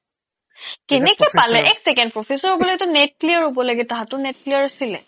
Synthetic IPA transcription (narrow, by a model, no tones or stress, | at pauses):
kɛnɛkɔpalɛʔɛksɛkɛndpɹɔfʰisɔɹɦobɔloɡɛtʊnɛt̚lijaɹɦobɔlaɡɛtaɦãtʊnetliaɹasilɛ̰